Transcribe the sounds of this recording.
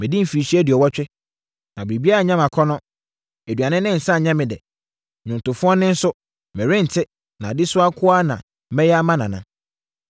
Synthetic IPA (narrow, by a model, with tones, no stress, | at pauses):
mɪ̃˨dĩ˦m̩˨fiː˨ɕi˦ɛ˦dɪ˨ɔ˨wɔ˦t͡ɕᶣɪ˦ | nã˨bɾi˨bi˦a˦a˨ɲã˦mã˨kʰɔ˦nɔ̃˦ | æ˨dɥa˨nɪ̃˦nɪ̃˦n̩˨sa˦˨ɲã˦mɪ̃˨dɛ̰˨ | ɲʊ̃˨n˨tʊ˨fʊ˦ɔ˦nɪ̃˦n̩˦sʊ˦ | mɛ̃˨ɾɪ̃˦n̩˨tʰɪ˦ | nã˨dɪ˦sʊ˦a˦kʰʊ˦a˦nã˨ | mɛ̃˦jɛ˦a˦mã˦nã˨nã̰˦